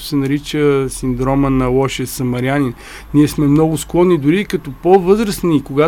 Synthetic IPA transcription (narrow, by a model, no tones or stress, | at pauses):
ʊ̥sɛnɐɾit͡ʃəsind̪ɾɔmənɐlˠɔʃɛsɐmɐɾjanin | niɛsmɛmnɔɡʊsklˠɔnːid̪ʊɾikɐt̪ɔpovɤzɾəsnikʊɡa